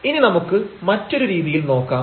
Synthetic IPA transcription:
ininɐmukːɨmɐtːo̞ɾuɾiːðijilno̞ːkːaː

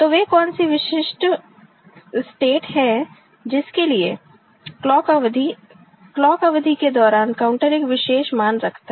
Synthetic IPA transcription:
t̪oːʋekɔːnsiʋɪʃɪʃʈ | sʈeːʈɦɛ | d͡ʒɪskelie | lɔːkʋd̪ʱi | klɔːkɐʋd̪ʱiked̪ɔːɾaːnkaʊ̃ɳʈəɾɪkʋɪʃeːʃmaːnɾɐkʰt̪aɦ

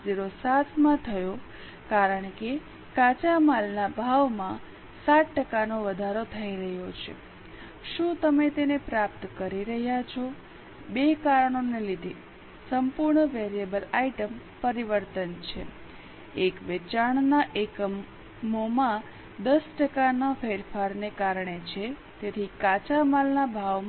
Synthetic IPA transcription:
d͡ʒiɾosat̪ʰmãt̪ʰəjo | kaɾəɳke | kat͡ʃamalnabʱaʋmã | saʈʈəkanoʋəd̪ʱaɾot̪ʰəiɾəɦjot͡ʃʰḛ | ʃũt̪əmet̪enepɾap̚t̪kəɾiɾəɦjat͡ʃʰo | bekaɾəɳ̃onelid̪ʱe | səmpuɾɳəʋeɾiebəlaiʈəm | pəɾiʋəɾt̪ənt͡ʃʰḛ | ekʋet͡ʃaɳnaʔekə | momã | d̪əsʈəkanafeɾfaɾnekaɾɳet͡ʃʰe | t̪et̪ʰikat͡ʃamalnabʱaʋ

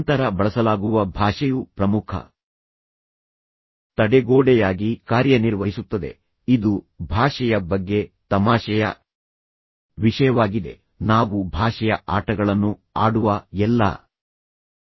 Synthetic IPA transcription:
nt̪ɐɾɐbɐɭɐsɐlaːɡuʋɐbʱaːʂɐjupɾɐmukʰɐ̰ | t̪ɐɽɛɡoːɽɛjaːɡikaːɾjɐniɾʋɐɦisut̪ːɐd̪e̞̰ | id̪u | bʱaːʂɛjɐbɐɡːe̞t̪ɐmaːʂɐjɐ̰ | ʋiʂɐjɐʋaːɡid̪e̞̰ | naːʋubʱaːʂɛjɐʔaːʈɐɡɐɭɐnːua̰ːɽuʋɐɛlːɐ̰

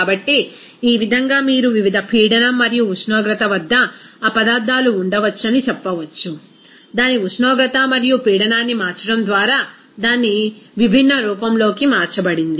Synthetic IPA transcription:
aːbɐʈːi | iːʋid̪ʱɐŋɡaːmiːɾuʋiʋid̪ʱɐpʰiːɽɐnɐmːɐɾijuːsnɔːɡɾɐt̪ɐʋɐd̪ʱːɐːpɐd̪aːɾd̪ːaːluːɳɖɐʋɐt͡ʃːɐnit͡ʃɛpːɐʋɐt͡ʃːu | d̪aːniusnɔːɡɾɐt̪ɐmɐɾijupiːɽɐnaːnːimaːɾt͡ʃɐɽɐmd̪ʋaːɾaː | d̪aːnːiʋibʱinːɐɾuːpɐmlo̞ːkimaːɾt͡ʃɐbɐɽind̪i

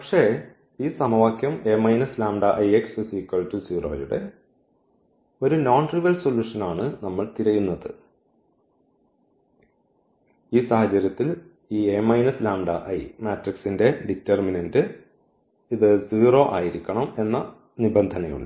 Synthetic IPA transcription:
pɐkʂe̞ | iːsɐmɐʋaːkʲjɐme̞ːmɐjnɐslaːmɖɐʔɐjeksusikːɐɭtud͡ʑiːro̞̰ːjuɽe̞̰ | o̞ɾunoːɳɖriʋɐlso̞lːuːʂɐnaːɳɨnɐmːɐɭt̪iɾɐjunːɐðɨ̰ | iːsɐhɐt͡ɕːɐɾjɐt̪ːil | iːemɐjnɐslaːmɖɐʔɐjmaːtriksinde̞ɖitːerminɐndɨ | iðɨd͡ʑiːro̞ːʔa̰ːjiɾikʲːɐɳɐme̞nːɐ | nibɐnd̪ʱɐnɐjṵɳɖɨ

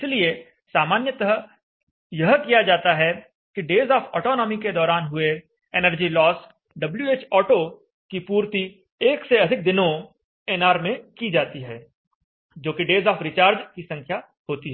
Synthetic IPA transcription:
ɪslie | saːmaːnjət̪ɐɦə | jɐɦkijad͡ʒaːt̪aɦɛ | kiɖeːzɔːpʰɔ̰ːʈɔːnɔːmiked̪ɔːɾaːnɦʊe | eːnəɾd͡ʒilɔːs | ɖɐbljueːt͡ʃɔːʈo | kipuːɾt̪i | eːkseɐd̪ʱɪk̚d̪ɪnõ | eːnaːɾmẽkid͡ʒaːt̪iɦɛː | d͡ʒoːkiɖeːzɔːfʰɾɪt͡ʃaːɾd͡ʒkisɐ̃ŋkʰja | ɦoːt̪iɦɛɛː

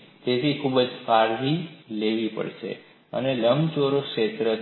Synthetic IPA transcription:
t̪et̪ʰikʰubəd͡ʒfaɾʋileʋipə̰ɭʃḛ | ə̰neləmt͡ʃoɾokʃet̪ɾə

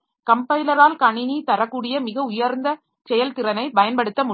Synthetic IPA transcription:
kɐmpɐjlɐɾaːlkɐɳɪnit̪ɐɾɐkːuːɽɪjɐmɪɣɐʊjɐɾnd̪ɐ | sɛjɐlt̪ɪɾɐnɐɪpɐjɐnpɐɽɯt̪ːɐmʊ

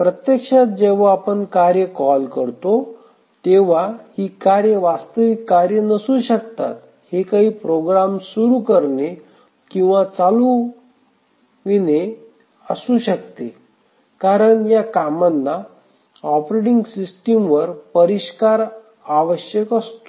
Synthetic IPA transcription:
pɾət̪jəkʂat̪̚d͡ʑeʋ̤aapəɳkaɾjəkɔlkəɾt̪o | t̪eʋ̤ahiːkaɾjəʋast̪əʋikːaɾjənəsuːɕəkt̪a̰t̪ | hekaɦiːpɾoɡɾamsuɾukəɾne | kĩw̃ʋat͡salu | ʋine | əsuɕəkt̪e | kaɾəɳjakamanːa | ɔpɾeʈiŋɡsisʈimʋəɾpəɾiɕkaɾ | aʋəɕjəkəst̪o̥

